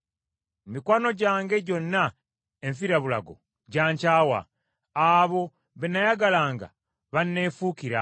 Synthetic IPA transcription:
mikwaːno̞ɟaːŋɡe̞ɟo̞nːa | eɱfiɾaβula̰ɡo̞̰ | ɟaːɲcaːwa̰ | aβo̞ | βenajaɡalaːŋɡa̰ | βanːe̞ːfuːkiɾa

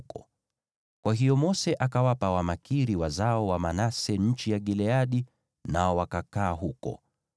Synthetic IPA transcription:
kɔ | kwaɦijɔmɔsɛʔakawapawamakiɾiwazaɔwamanasɛɲ̩t͡ʃijaɠilɛaɗi | naɔwakakaːɦukɔ̰

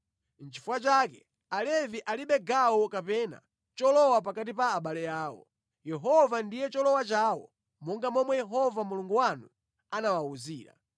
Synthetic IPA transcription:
n̩t͡ʃifuwat͡ʃakɛ | alɛviʔaliɓɛɡawɔkapɛna̰ | t͡ʃɔlɔwapakat̬ipaːɓalɛjaːwɔ̰ | jɛɦɔvandijɛt͡ʃɔlɔwat͡ʃaːwɔ̰ | mɔŋɡamɔmwɛjɛɦɔvamuluŋɡuwanu | anawauziːɾa̰

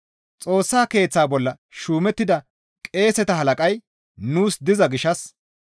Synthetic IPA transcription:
t͡sʼo̞ːsːaːke̞ːt͡sːaːbɔlːɐ | ʃuːmɛt̪ːɪd̪ɐ | kʼe̞ːsɛt̪ɐɦɐlɐkʼɐj | nuːsd̪ɪzɐɡɪʃɐs

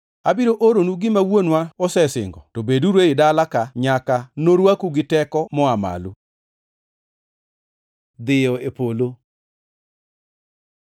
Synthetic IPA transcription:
abiɾoʔoɾonuɡɪmawonwaosɛsɪ̰ŋɡɔ̰tobeduɾeɪdalakaɲakanoɾwakuɡɪtɛkɔmɔama̰lṵ | d̪ɪjɔepolo

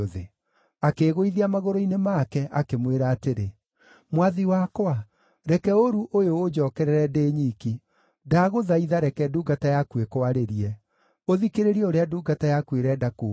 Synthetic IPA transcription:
oðḛ | akeɣoiðiamaɣoɾoinemakɛʔakemweɾaːteɾe | mwaðiwakwa | ɾɛkɛoɾuʔojoːd͡ʒɔːkɛɾɛɾɛdeːɲiːki | daɣoðaiðaɾɛkɛduːɡatajakwekoaɾeɾiɛ | oðikeɾeɾiɛoɾeaduːɡatajakweɾɛdakuː

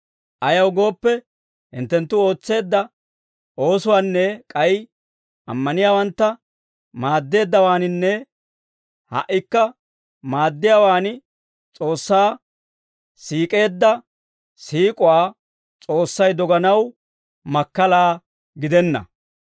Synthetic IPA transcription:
ʔɐjɐwɡo̞ːpːɛ | hɪ̰nt̪ːɛnt̪ːʊo̞ːt͡sːe̞ːd̪ːɐ | ʔo̞ːsʊwaːnːɛkʼɐj | ʔɐ̰mːɐnɪjaːwɐnt̪ːɐ | maːd̪ːe̞ːd̪ːɐwaːnɪnːɛ | hɐ̰ʔːɪkːɐ | maːd̪ːɪjaːwaːn | t͡sʼo̞ːsːaː | siːkʼe̞ːd̪ːɐ | siːkʼʊwaː | t͡sʼo̞ːsːɐjd̪ɔɡɐnɐw | mɐkːɐlaː | ɡɪd̪ɛnːɐ̰

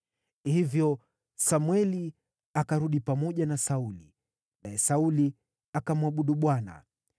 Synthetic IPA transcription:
hivjɔ | samwɛli | akaɾuɗipamɔʄanasauli | naɛsauli | akamwaɓuɗuɓwana̰

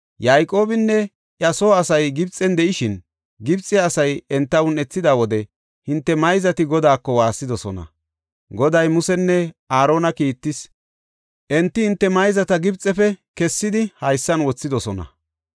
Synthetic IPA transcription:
jajkʼo̞ːbɪnːɛ | ʔjɐso̞ːɐsɐjɡɪbt͡sʼɛnd̪ɛʔɪʃɪn | ɡɪbt͡sʼːɪɐsɐjɛnt̪ːɐwʊnɛt͡sːɪd̪aːwɔd̪ɛ | hɪnt̪ːɛmɐjzɐt̪ɪɡɔd̪aːkːɔwaːsːɪd̪ɔsɔnɐ̰ | ɡɔd̪ɐjmʊsɛnːɛaːɾo̞ːnɐkiːt̪ːɪs | ʔɛnt̪ːɪhɪnt̪ːɛmɐjzɐt̪ɐɡɪbt͡sʼɛfɛkɛsːɪd̪ɪhɐjsːɐnwɔt͡sːɪd̪ɔsɔnɐ̰

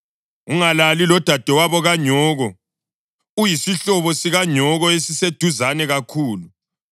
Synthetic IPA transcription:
uŋalalilɔd̥ʱad̥ʱɛwaβɔɣaɲʱɔːɣɔ | ujisiɬɔβɔsiɣaɲʱɔɣɔesised̥ʱuzanɛɣakʰuːlu

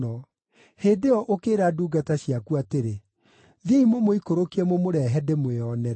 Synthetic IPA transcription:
ɔ | heːdeɔʔokeːɾaduːɡataɕjakuateɾe | ðeimomoikoɾokiɛmomoɾɛɦɛdemweɔnɛɾ

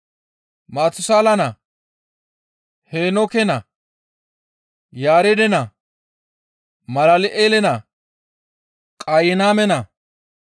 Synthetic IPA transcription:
maːt̪ːʊsaːlɐnɐ | heːnɔkɛnɐ | jaːɾɛd̪ɛnɐ | mɐlɐlɪʔeːlɛnɐ | kʼajɪnaːmɛnɐ

